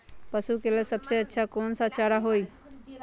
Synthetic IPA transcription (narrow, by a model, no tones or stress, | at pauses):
pəsukelesəbseətːʃʰakoːnsat͡ʃaɾaɦoːi